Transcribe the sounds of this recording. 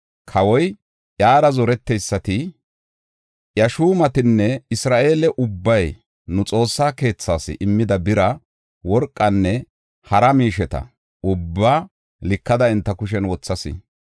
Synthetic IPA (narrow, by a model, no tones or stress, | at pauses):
kʰɐwɔj | jaːɾɐzɔɾɛt̪ːɛjsːɐt̪ɪ | jɐʃuːmɐt̪ɪnːɛɪsɾaːʔe̞ːlɛʔʊbːɐj | nʊt͡sʼo̞ːsːaːke̞ːt͡sːaːsɪ̰ʔɪmːɪd̪ɐbɪɾɐ | wɔɾkʼːɐnːɛ | hɐɾɐmiːʃɛt̪ɐ̰ | ʊbːaː | lɪkːɐd̪ɐɪnt̪ːɐkʊʃ̬ɛnwɔt͡sːɐsɪ̰